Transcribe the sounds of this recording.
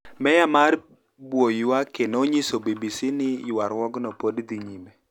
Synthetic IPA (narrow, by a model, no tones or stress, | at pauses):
mɛjamaɾ | bwojwakenoɲisobibisinɪwaɾwɔɡnɔpodd̪iɲimɛ